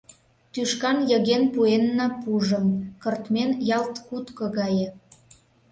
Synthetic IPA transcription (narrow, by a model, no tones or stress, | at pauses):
t̪yʃkɑnjəɣenpuenːɑpuʒə̆mkərt̪menjɑlt̪kut̪kɤ̆ɣɑje